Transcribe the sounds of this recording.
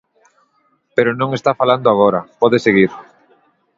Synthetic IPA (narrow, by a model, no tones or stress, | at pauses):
peɾʊnõŋest̪afaland̪oaɣ̞oɾapɔðeseɣiɾ